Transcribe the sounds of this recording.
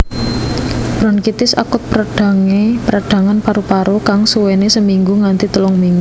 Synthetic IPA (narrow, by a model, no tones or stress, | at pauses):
b̥ɾɔnkit̪ɪsa̰kʊt̪̚pɾaɖ̥a̤ŋepəɾaɖ̥a̤ŋanpaɾupaɾokaŋsuwenesəmiŋɡuŋant̪it̪əlɔŋmiŋɡu